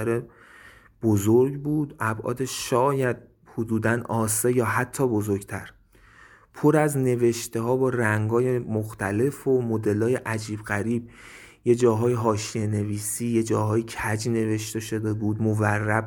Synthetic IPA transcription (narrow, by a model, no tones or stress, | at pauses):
æɾe | b̥ozoɾɡbuːd̪ʔæbʔɒ̰ːd̪eʃʃɒːjæd̪̚ | hod̪uːd̪ænɒːsejɒːɦæt̪ʰːɒːbo̞zoɾɡt̪ʰæ̰ɾ | pʰo̞ɾæzne̞ve̞ʃt̪e̞ɦɒːbɒːɾæŋɡɒːjemoxt̪ʰæle̞fomod̪e̞lɒːjeʔæd͡ʒiːbɣæɾiːb̚je̞d͡ʒɒːɦɒːjeɦɒːʃije̞ne̞viːsiːjed͡ʒɒːɦɒːjecʰæd͡ʒne̞ve̞ʃt̪e̞ʃo̞d̪ebuːd̪moværːæb